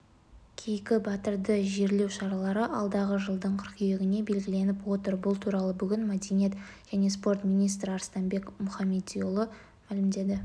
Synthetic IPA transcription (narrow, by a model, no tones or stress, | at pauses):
kʲʰejkʲɪbɑt̪əɾd̪əʒe̞ɾle̞wʃɑɾɑlˠɑɾəʔɑlˠd̪ɑʁəʒəlˠd̪əɴqʰəɾqʰʏjeɡʲɪne̞be̞lɡʲɪle̞nɪpwo̞t̪əɾbʊlˠt̪ʰuɾɑlˠəbʏɡʲɪnmæd̪enijet̪ʒ̥æne̞s̬po̞ɾt̪mʲijnijst̪ɾɪɑɾst̪ɑnbe̞kmʊχɑmʲːe̞t̪̚ijolˠə | mælɪmd̪e̞d̪ɪ